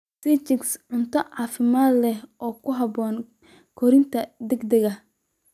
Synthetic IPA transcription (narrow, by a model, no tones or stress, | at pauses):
sit͡ʃɪksʕʊnt̪ʰɔʕɑːfɪmaːd̪lɛhʔɔːkʰʊɦɐbɔːn | kʰɔɾɪnt̪ʰɐd̪ɛɡd̪ɛɣɐ